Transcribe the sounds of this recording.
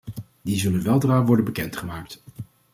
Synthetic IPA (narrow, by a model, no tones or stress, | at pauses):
dizɵlənʋɛlˠdraːʋɔɹdənbəkɛntχəmaːk̚t